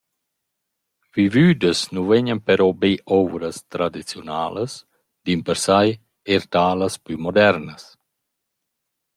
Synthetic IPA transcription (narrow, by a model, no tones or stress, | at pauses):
vivyːd̪əsnuveɲənpɛɾɔbeʔɔvɾəst̪ɾad̪it͡sjɔnaːləs | d̪̥impəɾsaj | eɾt̪aːləspymɔd̪ɛɾnəs